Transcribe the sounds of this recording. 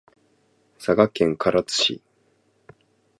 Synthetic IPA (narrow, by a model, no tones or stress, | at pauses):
saɡakẽ̞ŋkʰaɾat͡sɨ̥ɕḭ